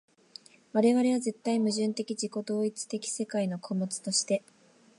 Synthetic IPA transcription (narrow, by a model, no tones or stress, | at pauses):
βaɾe̞βaɾe̞β̞aze̞t̪ːaimɯ̟ʑɨ̃nt̪e̞kʲid͡ʑiko̞d̪o̞ːit͡sɨ̥t̪e̞kʲi̥se̞kaino̞kʰo̞mo̞t͡sɨ̥t̪o̞ɕi̥t̪e̞